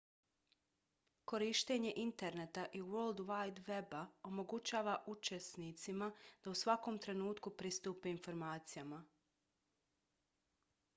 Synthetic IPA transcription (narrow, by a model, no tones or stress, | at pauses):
ko̞ɾiʃt̪e̞ɲe̞ʔint̪e̞ɾnet̪aʔiwolˠd̪ʋajd̪ʋe̞bao̞mo̞ɡut͡ʃaːʋaʔut͡ʃesnit̪simad̪̥ausʋako̞mt̪ɾe̞nuːt̪kupɾist̪uːpeinfo̞ɾmaːt̪sijama